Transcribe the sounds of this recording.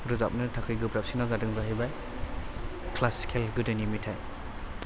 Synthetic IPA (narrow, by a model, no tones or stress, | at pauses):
ɾɯzap̚nɯtʰakʰɯjɡɯbɾap̚sinazadɯŋzaɦibaj | kʰlasi̥kʰelɡudenimitʰajm